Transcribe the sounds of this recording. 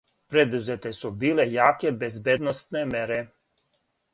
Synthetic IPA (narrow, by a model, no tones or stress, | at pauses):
pɾed̪uzet̪ɛsubiːlɛjaːkɛbezbed̪nɔst̪nɛmɛɾɛ